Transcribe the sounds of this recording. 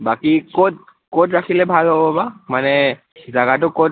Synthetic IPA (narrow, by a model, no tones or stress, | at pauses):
bakikot | kotɹakʰilɛbʱalɦobɔbamanɛ | zaɡat̬ʊkot̚